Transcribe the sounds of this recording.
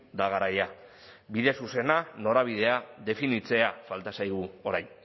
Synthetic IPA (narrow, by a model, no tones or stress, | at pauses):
d̪aɣaɾaja | biðe̞suse̞nano̞ɾaβ̞iðe̞aðe̞finit͡se̞afalt̪asajɣuo̞ɾajn